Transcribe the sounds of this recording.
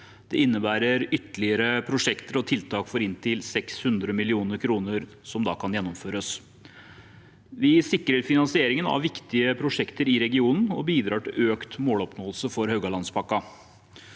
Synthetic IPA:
d̪̥ɛ̰ɪnːəbæːɾəɾʏt̪ːəlɪəɾəpʰɾʊʂɛkt̪əɾɔt̪ʰɪlt̪ʰɑːkfɔɾɪnt̪ʰɪlsɛkshʉnd̪ɾəmɪlɪuːnəɾkʰɾuːnəɾ | sɔmd̪ɑ̰ːkʰɑnjɛnːɔmføːɾəs | ʋɪsɪkɾəɾfɪnɑnsɪeːɾɪŋənɑ̰ʋʋɪkt̪ɪəpʰɾʊʂɛkt̪əɾɪɾɛɡɪuːnn̩ɔbiːd̪ɾɑːʈɪlʔøːkt̪moːlɔpnoːəlsəfɔɾhœɡɑlɑnspʰɑkːɑ

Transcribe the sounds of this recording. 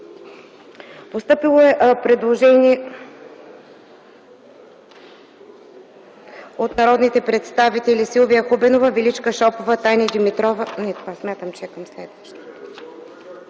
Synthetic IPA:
post̪ɤpilˠoɛʔpɾɛd̪lˠoʒɛniɛ | ot̪nɐɾɔd̪nit̪ɛpɾɛt̪st̪avit̪ɛlisilˠoviəxubɛnovəvilit͡ʃkəʃɔpovət̪ajnʲid̪imit̪ɾɔvənɛt̪ovasmʲjat̪əmt͡ʃɛɛkɐmslɛd̪vəʃt̪o̥t̪

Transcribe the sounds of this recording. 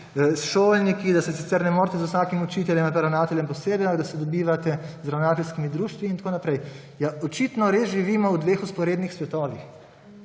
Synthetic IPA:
sʃoːlnikid̪asɛsit̪sɛɾnɛmoːɾt̪ɛzuwsaːkimɔt͡ʃiːt̪ɛljɛmapɾawnaːt̪ɛlʲjɛmpɔseːbɛjaɡd̪asɛd̪ɔbiːʋat̪ɛzɾawnaːt̪ɛlʲskimid̪ɾuːʃt̪ʋiiːnt̪akoːnapɾɛj | jaɔt͡ʃit̪nɔɾeːzʒiʋiːmɔwd̪ʋeːxuspɔɾeːd̪nixsʋɛt̪ɔːʋix

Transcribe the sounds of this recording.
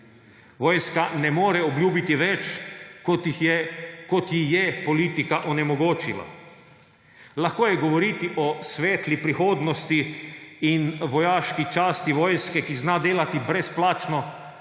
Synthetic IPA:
ʋɔːjskanɛmoːɾɛɔbljuːbit̪iʋɛt͡ʃ | kɔt̪jixjɛpɔliːt̪ikaʔɔnɛmɔɡoːt͡ʃḭla̰ | laxkoːjɛɡɔʋɔɾiːt̪iʔɔsʋeːt̪lipɾixoːd̪nɔst̪iː | nʋɔjaːʃkit͡ʃaːst̪iʋɔːjskɛkiznad̪eːlat̪ibɾɛsplaːt͡ʃnɔ

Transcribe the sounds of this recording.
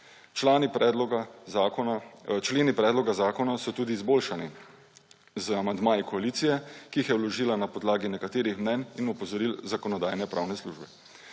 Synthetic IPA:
t͡ʃlaːnipɾɛlɡa | t͡ʃleːnipɾɛːd̪lɔɡazaːkɔnasɔt̪uːd̪iːzboːlʃani | zamand̪maːjikɔaliːt̪sijɛkiixjɛwlɔʒiːlanapɔd̪laːɡinɛkat̪eːɾixmnɛninupɔzɔɾilzakɔnɔd̪ajnɛpɾʔawnɛslṵʒbɛ

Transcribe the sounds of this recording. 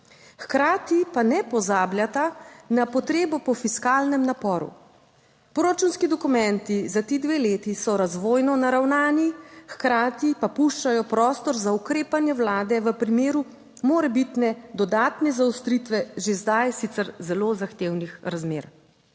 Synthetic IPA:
xkɾaːt̪ipanɛpɔzaːbljat̪anapɔt̪ɾeːbɔpɔfiskaːlnɛmnapɔːɾṵ | pɾoːɾat͡ʃunskid̪ɔkumɛnt̪izat̪iːd̪ʋeːleːt̪isɔɾazʋoːjnɔnaɾawnaːnixkɾaːt̪ipapuʃt͡ʃajɔpɾɔːst̪ɔɾzaukɾeːpanjɛwlaːd̪ɛʋəpɾimeːɾu | moːɾɛbit̪nɛd̪ɔd̪aːt̪nɛzawst̪ɾit̪ʋɛʒezd̪ajsit̪sɛɾzɛloːzaxt̪eːwnixɾazmeːɾ

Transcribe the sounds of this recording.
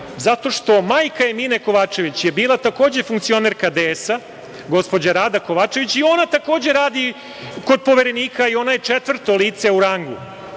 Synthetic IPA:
zat̪o̞ʂt̪o̞maːjkaemiːne̞ko̞ʋaːt͡ʂe̞ʋit͡ɕjebiːlˠat̪ako̞ːd͡ʑe̞fuŋktsio̞neɾkad̪eːsa | ɡo̞spo̞d͡ʑaɾaːd̪ako̞ʋaːt͡ʃe̞ʋit͡ɕio̞nat̪ako̞ːd͡ʑe̞ɾaːd̪i | ko̞d̪̚po̞ʋe̞ɾe̞niːkaio̞najet͡ʂet̪ʋr̩t̪o̞liːt̪se̞uɾaŋɡṵ

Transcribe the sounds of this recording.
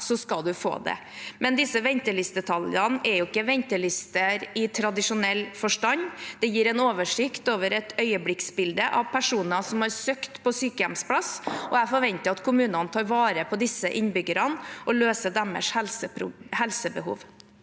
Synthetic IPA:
sɔskɑld̪ʉfo̰ːd̪ɛ̰ | mɛnd̪ɪsəʋɛnt̪əlɪsd̪ət̪ʰɑljɑnɛɾjʊɪkːəʋɛnt̪əlɪst̪əɾɪt̪ʰɾɑd̪ɪʂʊnɛlːfɔʂʈɑnːd̪̥ɛjiːɾɛnoːʋəʂɪkt̪oːʋəɾɛt̪ʰœʏəblɪksbɪld̪əʔɑʋpʰæʂuːnɑsɔmhɑɾsøːkt̪pʰɔsyːkəjɛmspʰlɑsɔæfɔɾʋɛnt̪əɾɑt̪kʰʊmʉːnənət̪ʰɑːɾʋɑːɾəpʰɔd̪ɪsəʔɪnbʏɡəɾɑnʔɔløːsəɖ̪æmə̰ʂhɛlsəpɾʊhɛlsəbəhṵːʋ

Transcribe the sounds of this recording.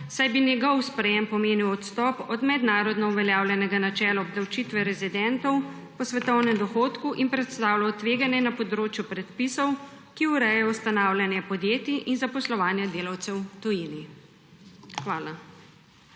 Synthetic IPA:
sajbinjɛɡɔwspɾɛjɛmpɔmeːniwɔt̪st̪ɔːpɔd̪mɛd̪naːɾɔd̪nɔuʋɛljaːwlʲjɛnɛɡanat͡ʃɛːlɔɔbd̪awt͡ʃit̪ʋɛɾɛzid̪ɛnt̪ɔw | pɔsʋɛt̪ɔwnɛmd̪ɔxoːt̪kuʔinpɾɛt̪st̪aːwlawt̪ʋeːɡanjɛnapɔd̪ɾoːt͡ʃjupɾɛt̪pisɔw | kiuɾɛjɛɔwst̪anaːwlʲjanjɛpɔd̪jeːt̪iʔinzapɔslɔʋaːnjɛd̪eːlawt̪sɛwt̪ɔjini | xʋaːla

